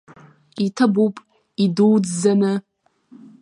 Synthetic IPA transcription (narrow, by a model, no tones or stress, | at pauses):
itʰɨbupʼ | iduwd͡zzanɨ